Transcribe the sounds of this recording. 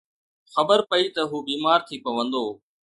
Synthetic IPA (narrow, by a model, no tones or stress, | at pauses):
xɐbəɾpɐit̪ɐɦuːbiːmaːɾt̪ʰiːpɐʋə̃nd̪oː